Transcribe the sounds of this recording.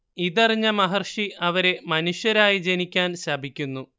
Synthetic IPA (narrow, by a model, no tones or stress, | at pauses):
iðɐriɲːɐmɐɦɐrʂiʔɐʋɐɾe̞mɐnuɕjɐɾaːjid͡ʑe̞nikʲːaːnɕɐbʱikʲːunːu